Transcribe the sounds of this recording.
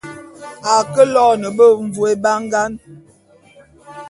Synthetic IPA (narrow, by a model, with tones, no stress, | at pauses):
a˨kə˦lɔ˦nə˨bə˦ɱ˨vu˨e˦ba˦ŋɡa˦n